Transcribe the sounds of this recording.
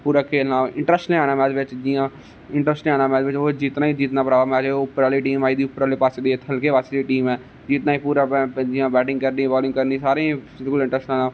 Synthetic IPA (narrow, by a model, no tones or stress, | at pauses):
puːɾaːkʰeːlnãːɪ̃ɳʈɾəsʈnːaːɽ̃ãːmɛ̃ːd̪eʋɪt͡ʃd͡ʒijãː | ɪɳʈɾəsʈnaːnãːmɛ̃ːd̪ʋɪt͡ʃoːd͡ʒit̪naːiːd͡ʒiːt̪nãːpɾaːʋaːmɛːd͡ʒeʊpːəɾaːliːʈiːmaːid̪iːʊpːəɾaːliːpaːseːd̪iːt̪ɦəlkeːʋaːseːdiːʈiːmɛː | d͡ʒiːt̪naːiːpuːɾaːɛd͡ʒɪjãːbɛːʈɪ̃ŋɡkəɾniːʋɔːlɪ̃ŋkəɾnĩːsaːɾẽːsɪd̪kʊlɪ̃ɳʈɾəsʈãːnaː